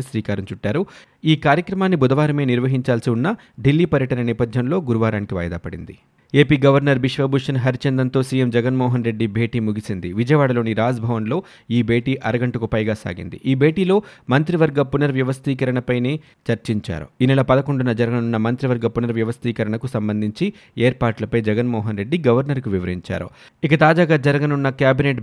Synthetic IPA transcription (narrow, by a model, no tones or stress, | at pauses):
sʋiːkaːɾɐɲt͡ʃuʈːaːɾu | iːkaːɾjɐkɾɐmaːnːibud̪ɐʋaːɾɐme̞ːniɾʋɐɦiɲt͡ʃaːlsiunːɐ | ɖilːiːpɐɾjɐʈɐnɐnɛːpɐd̪ʱjɐnlo̞ːɡuɾuʋaːɾaːnikiʋa̰jɐd̪a̰ːpɐɽḭnd̪ḭ | eːpiːɡɐʋɐɾnɐɾʋiʂʋɐbʱuʂɐnɦɐɾit͡ʃɐnd̪ɐnt̪oːsiːjemd͡ʒɛɡɐnmɔːɦɐnɾe̞ɖːibʱe̞ːʈiːmuɡisind̪iʋid͡ʒɐjɐʋaːɽɐlo̞ːniɾaːd͡ʒbʱɐʋɐnlo̞ː | iːbʱe̞ːʈiːʔɐɾɐɡɐɳʈɐkupɐjɡaːsa̰ːɡḭnd̪ḭʔiːbʱe̞ːʈiːlo̞ːmɐnt̪ɾiʋɐɾɡɐpunɐɾʋjɐʋɐst̪iːkɐɾɐɳɐpɐjneː | t͡ʃɐɾt͡ʃiɲt͡ʃa̰ːɾṵiːnɛlɐpɐd̪ɐko̞ɳɖunɐd͡ʒɐɾɐɡɐnunːɐmɐnt̪ɾiʋɐɾɡɐpunɐɾʋjɐʋɐst̪iːkɐɾɐɳɐkusɐmbɐnd̪ʱiɲt͡ʃi | eːɾpaːʈlɐpɐjd͡ʒɛɡɐnmɔːɦɐnɾe̞ɖːiɡɐʋɐɾnɐɾkuʋiʋɐɾiɲt͡ʃa̰ːɾṵ | ikɐt̪aːd͡ʒaːɡaːd͡ʒɐɾɐɡɐnunːɐkjaːbineʈ